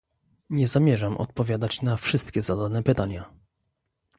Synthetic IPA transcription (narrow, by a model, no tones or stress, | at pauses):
ɲɛzamʲjɛʐamʔɔ̰t̪̚pɔvʲjad̪at͡ɕnafʂɘst̪kʲɛzad̪anɛpɘt̪aɲa